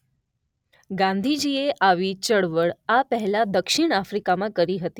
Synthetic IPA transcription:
ɡãnd̪ʱid͡ʑieʔaʋit͡ɕəɽʋəɭapəɦɛlad̪əkʃiɳ̃afɾikamãkəɾiɦət̪i

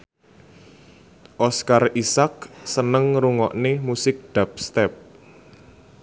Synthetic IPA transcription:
ʔɔskarisak̚sənəŋɾuŋɔʔnemusɪk̚d̪̥ap̚st̪ɛp̚

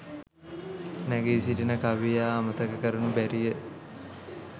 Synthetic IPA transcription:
næɡeːsiɾinəkaʋijaːmət̪əkəkəɾənubæɾijə

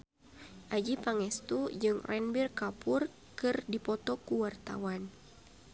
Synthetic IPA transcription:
ʔad͡ʒipaŋɛst̪ud͡ʒɨŋrʔɛnbirkapʊr | kɨrdipɔt̪ɔkuwart̪a̰wan

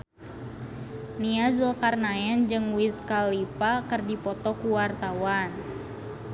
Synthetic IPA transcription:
niazulkarnaɛnd͡ʒɨŋwiskalipakɨrdipɔt̪ɔkuwart̪awan

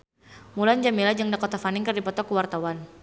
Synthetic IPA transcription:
muland͡ʒamilad͡ʒaŋdakɔt̪afanɪŋkɨrdipɔt̪ɔkuwart̪awan

